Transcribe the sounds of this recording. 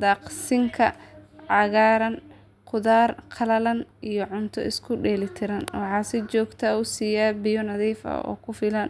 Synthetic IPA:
d̪ɑːqsɪŋkʰɐʕɑɣaːɾɐn | qʊðaːrqʰɐlɐlɐnijɔʕʊnt̪ʰɔ̰ɪskʰʊɖɛːlɪt̪ʰɪɾɐnwɑħɑːsɪt͡ʃɔːɡt̪ʰɐʊsiːjaːbɪjɔnɐðiːfɐ̰ɔ̰ːkʰʊfɪlɐn

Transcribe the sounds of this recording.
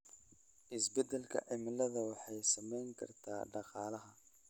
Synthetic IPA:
ʔɪsbɛd̪ɛlkʰɐ̰ʔɪmɪlɐðɐwɑħɑjsɐmɛjŋkʰɐ̰rt̪ʰaːɖɑqɑːlɐɦɐ

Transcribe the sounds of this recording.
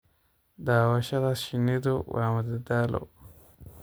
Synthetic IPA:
dawaʃaɾaʃinidowa̰madədalo̰

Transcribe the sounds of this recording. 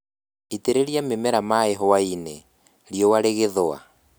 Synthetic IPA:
iteɾeɾiamemɛɾamaɛɦɔwaine | ɾiɔwaɾeɣeðoa̰

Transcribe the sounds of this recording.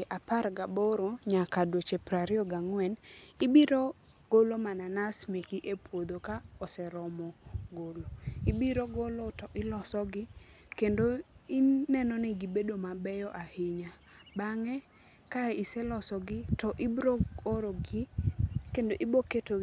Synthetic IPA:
ʔaparɡaboɾoɲakadwot͡ʃepɾaɾɪɔɡaŋwɛn | ɪbiɾo | ɡ̥olomananasmekiʔepwod̪okaɔsɛɾɔmɔɡoloɪbiɾoɡolotɔʔɪlɔsɔɡɪ | kendoiːɛnɔnɪɡibedomabɛjɔʔahɪɲa | baŋɛ | kaisɛlɔsɔɡɪtɔʔɪbɾooɾoɡɪkendoʔɪboketo

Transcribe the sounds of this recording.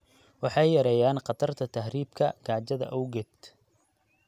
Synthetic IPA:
wɑħɑjːɐɾɛːjaːnqɑt̪ʰɐrt̪ʰɐt̪ʰɐɦriːbkʰɐɡ̥aːt͡ʃɐðɐ̰ʔɔwɡɛd̪

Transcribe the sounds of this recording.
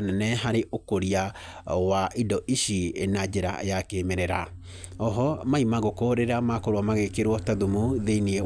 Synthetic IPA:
nanɛɦaɾeʔokoɾia | waʔidɔʔiʃienad͡ʑeɾa̰jakemɛɾɛɾa̰ | ɔɦɔmaimaɣokoɾeɾamakoɾoamaɣekeɾwɔtaðumuðeinie

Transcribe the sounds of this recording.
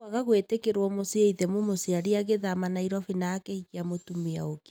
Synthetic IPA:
aɣaɣwetekeɾwɔmosieiðɛmomosiaɾiaɣeðamanaiɾɔfinaːkeikiamotumea̰oke̥

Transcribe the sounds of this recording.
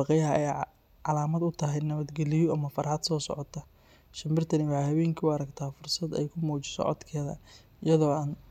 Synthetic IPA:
ɑqɛjɐɦɐʔɛj | ʕɑlaːmɐd̪ʊt̪ʰɐɦɛjnɐβɐd̪ɡɛlɪjɔʔɐmɐfɐɾhɐd̪sɔːsɔ̰ʕɔt̪ʰɐ | ʃɐmbɪrt̪ʰɐnɪwɑħɑjhɐβɛːŋkʰiwɐɾɐɡt̪ʰaːfʊrsɐd̪ɛ̰jkʰʊmɔːt͡ʃɪ̥sɔ̰ʕɔ̰d̪kʰɛːðɐ̰ | ɪjɐðɔːaːn

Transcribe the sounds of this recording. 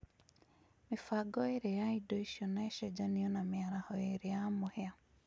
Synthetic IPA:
mifaɡɔeɾejaidoiʃiɔnaeʃɛd͡ʒaniɔnamjaɾahɔeɾejamʊhea

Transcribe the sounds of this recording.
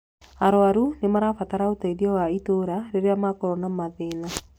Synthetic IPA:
aɾoaɾunemaɾafataɾaotaiɾiɔwaitoɾaɾeɾeamakoɾɔnamaðeːna

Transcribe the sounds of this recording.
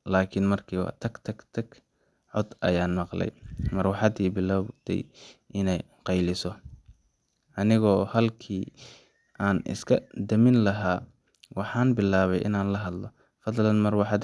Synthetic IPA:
laːkʰɪnmɐrkʰiːwɑ̰ːt̪ʰɐɡt̪ʰɐɡt̪ʰɐɡ | ʕɔd̪ɐ̰jaːnmɑqlɛ̰jmɐrwɑħɑd̪iːbɪlɔːbd̪ɛ̰jʔɪnɛj | qɑjlɪsɔ | ʔɐnɪɣɔːhɐlkʰiː | ʔaːnʔɪ̰skʰɐd̪ɐmɪnlɐɦaː | wɑħɑːnbɪlaːβɛjʔɪ̰naːnlɐɦɐd̪lɔ | fɐd̪lɐnmɐrwɑħɑd̪

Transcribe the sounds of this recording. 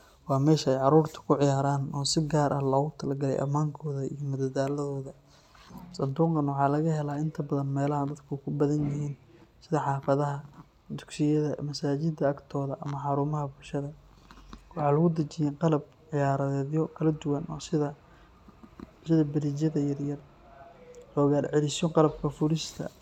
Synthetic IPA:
wɑːmɛːʃɐɛjʕɑɾuːrt̪ʰɐ̥kʰʊʕɪjaːɾaːnɔːsɪɡaːɾʔɐhlɔːɣʊt̪ʰɐlɐɡɐlɛ̰jʔɐ̰maːŋkʰɔːðɐḭjɔmʊd̪ɐd̪aːlɐðɔːðɐ | sɐnd̪uːqɐnwɑħɑːlɐɣɐɦɛlaːɪnt̪ʰɐbɐðɐnmɛːlɐɦɐd̪ɐd̪kʰʊkʰʊbɐðɐnjɪɦiːnsɪðɐħɑːfɐðɐɦɐ | d̪ʊɡsɪjɐðɐmɐsaːt͡ʃɪd̪ɐɐɡt̪ʰɔːðɐʔɐmɐħɑɾuːmɐɦɐbʊlʃɐðɐ | wɑħɑːlɐɣʊd̪ɐt͡ʃɪjɛqɑlɐb̚ | ʕɪjaːɾɐɛːðjɔkʰɐlɐd̪ʊwɐnɔːsɪðɐ | sɪðɐbɐɾit͡ʃɐðɐjɐrjɐr | lɔːɣaːlʕɛlɪsjɔqɑlɐb̚kʰɐfʊɾɪst̪ʰɐ̰

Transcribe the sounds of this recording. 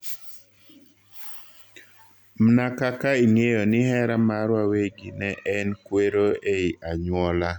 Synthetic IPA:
mnakakaiŋejonɪhɛɾamaɾwaweɡinɛʔɛnkweɾoeiʔaɲwɔla

